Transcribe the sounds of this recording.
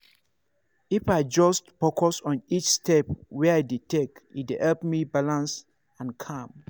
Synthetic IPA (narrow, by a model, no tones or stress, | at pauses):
ifaɪd͡ʒɔstfɔkʰɔsɔ̃nit͡ʃstɛpwɛajdetekidehɛlpmibalãns | ãnkʰãm